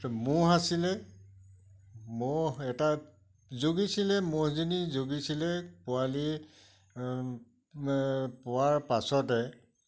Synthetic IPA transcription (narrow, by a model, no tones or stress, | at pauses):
mʊɦasilɛ | mɔɛta | zoɡisilɛmozinizoɡisilɛpʊali | pʊwaɹpasɔtɛ